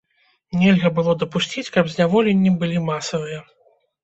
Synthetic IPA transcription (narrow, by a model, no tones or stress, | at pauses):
nʲɛlʲɣɐbɨlˠɔd̪ɐpusʲt͡sʲit͡sʲkɐbzʲnʲavɔlʲenʲːibɨlʲimasɐvɨjɐ